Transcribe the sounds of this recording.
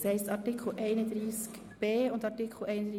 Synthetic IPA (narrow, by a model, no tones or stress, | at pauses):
shɛɪstɑtikʰl̩ʔɛɪnəd̪ɾiːsk | b̥eːʊndɑtikʰl̩ɛɪnədi